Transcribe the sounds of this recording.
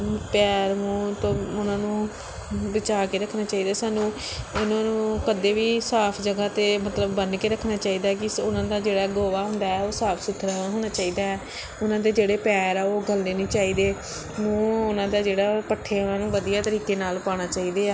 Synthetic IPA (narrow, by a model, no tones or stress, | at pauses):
pɛːɾmũːt̪õːʊnãːnũː | ʋɪt͡ʃaːkeːɾəkʰːnaːt͡ʃaːiːd̪aːsaːnũː | ʊnãːnũːkəd̪eːʋiːsaːpʰd͡ʒəɡaːt̪eːmət̪ləbːənkeːɾəkʰːnaːt͡ʃaːiːd̪aːkɪʊnãːd̪aːd͡ʒeːɽaːɡoːʋaːɦʊ̃nd̪aːɛːoːsaːpʰsʊt̪ʰːɾɦoːnaːt͡ʃaːiːd̪aːɛː | ʊnãːd̪eːd͡ʒeːɽeːpɛːɾɛːoːɡəlːeːnĩːt͡ʃaːiːd̪eː | mũːʊnãːd̪aːd͡ʒeːɽaːpəʈʰːeːʊnãːnũːʋəd̪ijaːt̪əɾiːkeːnaːlpaːɽ̃aːt͡ʃaːiːd̪eːaː